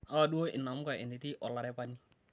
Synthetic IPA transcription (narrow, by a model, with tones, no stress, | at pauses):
ha˦˨du˦o˦ʔɪ˨nːa˨mu˦ka˨ɪ̰˨ndɪ˨ti˦ʔɔ˨lːa˨ɾɛ˦pa˦nːi˦